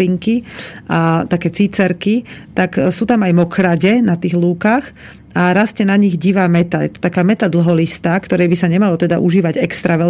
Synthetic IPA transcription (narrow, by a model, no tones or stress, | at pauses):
iŋkiʔat̪akɛːt͡sit͡sɛɾkit̪aksuːt̪amajmɔkɾaɟɛnat̪iːɣluːkax | aɾascɛnaɲiɣɟiːʋaːmɛt̪ajɛ̰t̪ɔ̥t̪akaːmɛt̪ad̪l̩ɦɔlist̪aːkt̪ɔɾɛjbisaɲɛmalɔt̪ɛd̪a̰ʔuʒiːʋaɟɛkst̪ɾaʋɛ